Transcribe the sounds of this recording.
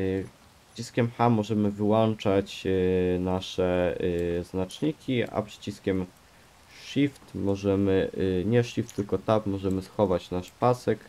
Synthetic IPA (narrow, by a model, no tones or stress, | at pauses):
p | ʂt͡ɕiskʲɛmxamɔʐɛmɘvɘwɔnt͡ʂat͡ɕnaʂɛ | znat͡ʂɲikʲia̰pʂɘ̥t͡ɕiskʲɛm | ʂift̪mɔʐɛmɘɲɛʂift̪ːɘlkɔt̪apmɔʐɛmɘsxɔvat͡ɕnaʂpasɛk